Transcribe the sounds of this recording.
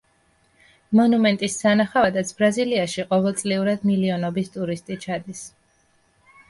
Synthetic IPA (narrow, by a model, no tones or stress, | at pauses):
mɔnumɛnt̪ʼisːanaχavad̪at̪sʰb̥ɾaziliaʃiqʼɔvɛlˠt̪sʼliuɾad̪miliɔnɔbist̪ʼuɾist̪ʼit͡ʃʰad̪is